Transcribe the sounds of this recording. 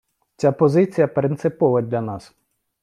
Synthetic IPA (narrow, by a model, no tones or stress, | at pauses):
t͡sʲapɔzɪt͡sʲijɐpɾɪnt̪sɪpɔʋɐdʲlʲɐnɑs